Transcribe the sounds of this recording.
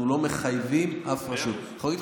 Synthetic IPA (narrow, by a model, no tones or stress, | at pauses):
nulo̞me̞χajvimʔafpaʃut̪ | χalɡit